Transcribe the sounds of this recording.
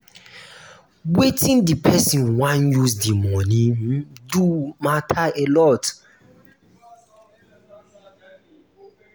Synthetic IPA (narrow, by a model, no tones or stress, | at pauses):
wetĩndipʰɛsĩnwãnjusdimɔnĩdumatʰaelɔt